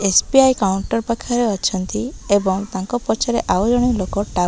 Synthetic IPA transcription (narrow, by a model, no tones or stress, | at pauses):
espiajkawɳʈɔɾpakʰaɾeɔt͡ʃʰɔnt̪iebɔŋt̪aŋkɔpɔt͡ʃʰaɾeʔawd͡ʒɔɽ̃ilokɔʈa